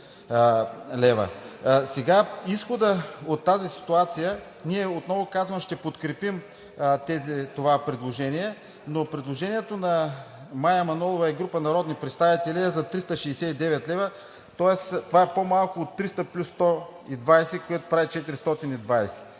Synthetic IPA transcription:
lɛvə̰sɛɡaisxod̪əot̪ːazisi̥t̪uat̪sijə | niɛot̪nɔvokazvəmʃt̪ɛpot̪kɾɛpim | t̪ɛzit̪ovapɾɛd̪lˠoʒɛniɛ | nopɾɛd̪lˠoʒɛniɛt̪onɐ | majɐmɐnɔlˠovɐɛɡɾupənɐɾɔd̪nipɾɛt̪st̪avit̪ɛliɛzɐt̪ɾist̪əʃɛːsɛid̪ɛvɛt̪lɛvə | t̪ɔɛst̪ovaɛpomalˠkoːt̪ːɾist̪ɐplʲusːt̪ɔid̪vajsɛkojɛt̪o̥pɾavit͡ʃɛt̪iɾist̪ɔt̪inid̪vajsɛ̥

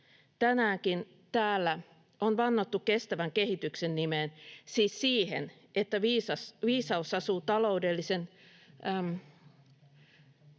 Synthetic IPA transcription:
t̪ænæːŋkin | t̪æːlːæ | onʋɑnːot̪ːukkest̪æʋæŋkehit̪yksenːimensiːssiːhḛn | et̪ːæʋiːsɑsʋiːsɑusɑsuːt̪ɑloudelːisen

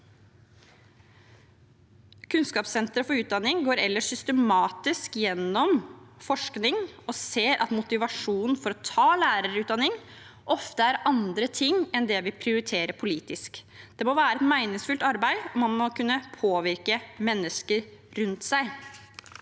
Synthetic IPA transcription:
kʰʉnskɑːpsɛnt̪ɾəfɔɾʉːt̪̚d̪ɑnːɪŋɡoːɾɛlːəʂʏst̪əmɑːt̪ɪskjɛnːɔmfɔʂknɪŋɔseːɾʔɑ̰t̪mʊt̪ɪʋɑʂuːnn̩fɔɾɔt̪ʰɑːlæːɾəɾʉːt̪d̪ɑnːɪŋ | ʔɔft̪əæɾʔɑnd̪ɾət̪ʰɪŋɛnd̪ɛʋɪpʰɾɪʊɾɪt̪ʰeːɾəpʰʊliːt̪ɪsk | d̪̥ɛmoʋæːɾəɛt̪mæɪnɪŋsfʉlt̪ɑɾbæɪɔmɑnmɔkʉnːəpʰoːʋɪɾkəmɛnːəskəɾɾʉnt̪sæɪ

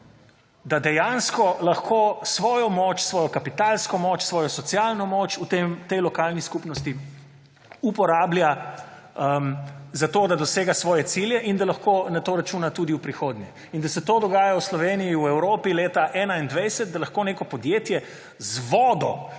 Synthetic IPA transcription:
d̪ad̪ɛjanskɔlaxkʰoːsʋɔːjɔmɔt͡ʃsʋɔːjɔkapit̪alskɔmot͡ʃsʋɔːjɔsɔt̪sijaːlnɔmoːt͡ʃut̪emt̪ɛjlɔkaːlniskupnɔst̪i | upɔɾaːblja | mzat̪oːd̪ad̪ɔseːɡasʋɔːjɛsiljɛʔind̪alɐxkoːnat̪oːɾat͡ʃuːnat̪uːd̪iwpɾixoːd̪nɲjɛ | ind̪ɐsɛt̪oːd̪ɔɡaːjawslɔʋeːnijiuɛwɾoːpileːt̪aʔɛːnaind̪ʋɛjsɛt̪̚d̪alɐxkoːneːkɔpɔd̪jeːt̪jɛ | zʋɔːd̪ɔ

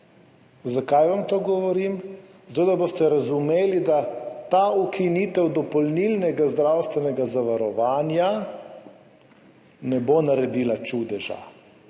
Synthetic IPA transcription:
zakajʋamt̪oːɡɔʋɔɾimzat̪oːd̪abost̪ɛɾazumeːlid̪at̪aːukiniːt̪ɛwd̪ɔpɔlnilnɛɡazd̪ɾawst̪ʋɛnɛɡazaʋaɾɔʋaːnja | nɛbonaɾɛd̪iːlat͡ʃud̪ɛʒa̰

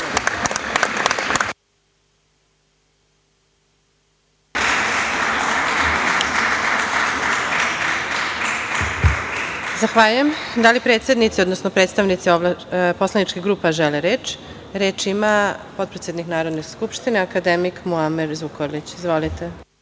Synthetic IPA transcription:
zaxʋaːʎujemd̪alipɾet̪sje̞d̪nit̪siod̪nosnopɾet̪st̪aʋnit̪sioʋlpo̞slanit͡ʃkiɡɾuːpaʒeleɾeːt͡ʃ | ɾeːt͡ʃimapo̞t̪̚pɾet̪sjed̪niknaːɾo̞d̪ne̞skupʃt̪ineakad̪emikmuameɾzʋukoɾlit͡ɕizʋolit̪e

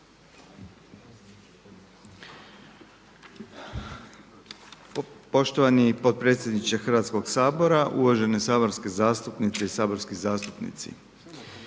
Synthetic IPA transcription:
po̞ʃt̪oʋanipo̞t̪̚pɾe̞ːt̪sʲje̞d̪nit͡ʃexrʋat̪sko̞ɡsaːbo̞ɾaʔuʋaʒe̞nesaːbo̞ɾskezaːst̪upnit̪seisaːbo̞ɾskizaːst̪upnḭt̪sḭ

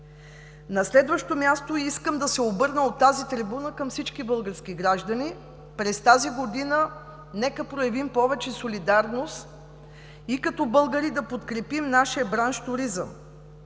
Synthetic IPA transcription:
nɐslɛd̪vəʃt̪omʲjast̪oiskəmd̪ɐsɛobɤɾnəot̪ːazit̪ɾibunəkɐmfsit͡ʃkibɤlˠɡəɾskʲiɡɾaʒd̪əni | pɾɛst̪aziɡod̪inə | nɛkəpɾojɛvimpɔvɛt͡ʃɛsolid̪aɾnost̪ | ikɐt̪ɔbɤlˠɡəɾid̪ɐpot̪kɾɛpimnaʃiəbɾanʃt̪uɾizə̰m

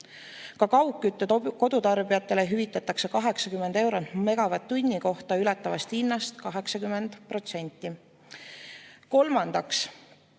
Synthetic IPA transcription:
kɑkɑwkːˑyt̪ːˑed̪ko̞d̪̥ut̪ɑrb̥ijɑt̪ːˑe̞le̞ɦyvit̪ˑːɑt̪ːˑɑkse̞kɑɦe̞ksɑkymːend̪e̞wɾonme̞ɡ̥ɑvɑt̪ːunʲːiko̞ht̪ɑylɑt̪ːˑɑvɑst̪inːɑst̪kɑɦe̞ksɑkymːe̞nd̪̥pro̞t̪se̞nʲt̪ˑːi | ko̞lmɑnd̪̥ɑks

